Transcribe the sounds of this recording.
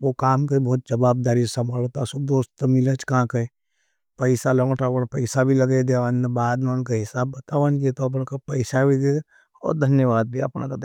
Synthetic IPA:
ʋokaːmkebɔːt̪̚d͡ʒɐbaːb̚d̪aːɾisɐmbʱaːlot̪asʊd̪oːst̪omɪlət͡ʃkaãkɐe | pəɪsalɔ̃ːŋʈaːʋənpəɪsabʱilɐɡed̪eʋənbaːd̪nankaɦɪsaːbːɐt̪aːʋənket̪oɐp̬nkapɐɪsabʱiɡ̪e | ɔ̰ːɾd̪ʱənjəʋaːd̪̚bʱiɐ̰pna̰kad̪e

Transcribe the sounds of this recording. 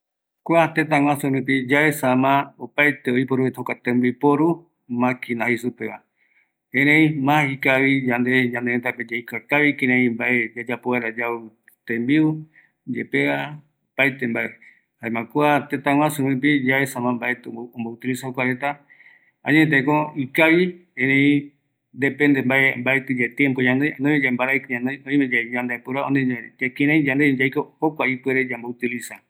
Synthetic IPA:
kʷat̪et̪̬ãwʷãsuɾɨ̃pid͡ʒaesamãopajt̪eoipoɾuet̪ʰokat̪ẽmbipoɾu | mãkʰinahisupeʔa | hẽɾẽĩmãhikaβid͡ʒãnd̪ed͡ʒãnd̪eɾet̪aped͡ʒejkakaβikẽɾẽĩmbaʔe̞d͡ʒad͡ʒapoaɾad͡ʒau | t̪ẽmbiu | d͡ʒḛpea | opajt̪e̞mbaʔe | haemãkuat̪et̪aw̃ãsumĩp̬id͡ʒaβesãmãmbaet̪õmbout̪ilisahokʷaɾet̪a | a̰ɲẽt̪ekõikaβiẽɾẽĩ | d̪epend̪embaembaet̪ed͡ʒet̪empoɲãnd̪ejnõmẽd͡ʒambaɾaiɲãnejõĩmẽd͡ʒaɲãnd̪epuɾaoneaakĩɾãĩd͡ʒãnd̪ed͡ʒajkohokʷaipweɾed͡ʒambout̪ilisa

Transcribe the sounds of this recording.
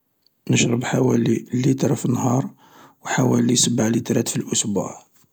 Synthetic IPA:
nəʃɾˤəbħawælilit̪ɾˤfinːhɑɾˤ | wħawælisəbaʕlit̪ɾˤæt̪filʔʊsbṵʕ

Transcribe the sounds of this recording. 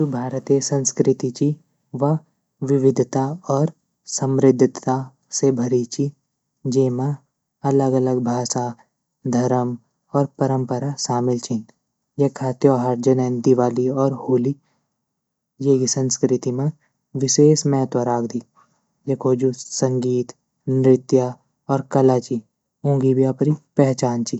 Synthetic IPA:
ubʱaːɾət̪esɐ̃nskɾɪt̪it͡ʃi | ʋɐ | ʋɪʋɪd̪ʱt̪aɔːɾ | sɐ̃mɾɪd̪ʱd̪t̪a | sebʱɐɾit͡ʃi | d͡ʒeːmã | ɐləɡɐləɡbʱaːsa | d̪ʱɐɾəm | ɔːɾpɐɾə̃mpəɾaʃaːmɪlt͡ʃʰin | jekʰaːt̪joɦaːɾd͡ʒənend̪ɪʋaːliɔːɾhuːli | jeːɡisə̃nskɾɪt̪imã | ʋɪʃeːsmɛːt̪əɾaːɡd̪i | jekʰoːd͡ʒusə̃ŋɡiːt̪ | nɾɪt̪ja | ɔːɾkɐlaːt͡ʃi | ũːɡibijapɾipɛɦt͡ʃaːnt͡ʃi

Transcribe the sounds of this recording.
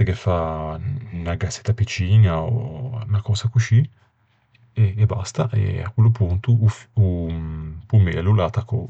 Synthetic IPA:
ekefa | naɡasːe̥t̪ːapit͡ʃiːnao̰nakɔːsakut͡ʃi | eːba̰st̪aʔḛa̰kwelːopunt̪uufu | pumeːlulat̪ako

